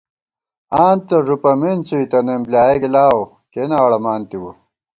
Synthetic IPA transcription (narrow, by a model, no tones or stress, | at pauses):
aːnt̪ɐʐupɐment͡suit̪ɐnemblaːeɡilaːwo | kenaːwɽɐmaːnt̪iwu